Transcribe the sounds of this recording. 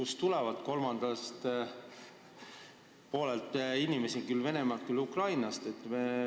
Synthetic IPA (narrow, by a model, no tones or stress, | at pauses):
kust̪ulɛvɑd̪̥ko̞lmɑnd̪̥ɑst̪ | po̞ːlelt̪ːˑinʲime̞sikylːve̞ne̞mɑlt̪̚kylːukrɑjnɑst̪e̞t̪ːˑme